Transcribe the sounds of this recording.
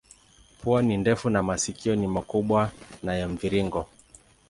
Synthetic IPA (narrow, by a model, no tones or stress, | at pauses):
puanindɛfunamasikiɔnimakuɓwanajɛɱviɾiŋɡɔ